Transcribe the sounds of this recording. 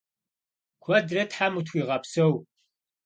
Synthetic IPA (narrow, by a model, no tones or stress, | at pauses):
kʷʰɐdrɐtħamutʰxʷiːʁɐpsɐw